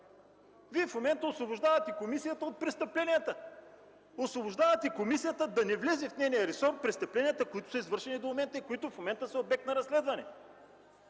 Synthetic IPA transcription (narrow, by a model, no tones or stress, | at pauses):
viɛfmomɛnt̪əoslvobʊʒd̪avɐt̪ikomisijət̪əot̪̚pɾɛst̪əplɛnijət̪ə | osvobʊʒd̪avɐt̪ɛikomisijət̪əd̪ɐnɛvlɛzɛfnɛnijəɾɛsɔɾpɾɛst̪ɐplɛnijət̪əkʊit̪ʊ̥sɐizvɤɾʃɛnid̪ommɛnt̪əikoit̪ʊfmomɛnt̪əsɐobɛk̚t̪nɐɾɐslɛd̪vɐnɛ